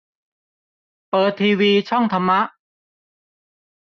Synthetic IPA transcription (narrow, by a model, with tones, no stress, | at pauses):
pɤː˨˩t̪ʰːiː˧wiː˧t͡ɕʰɔ˥˩ŋt̪ʰa˧mːa˦˥ʔ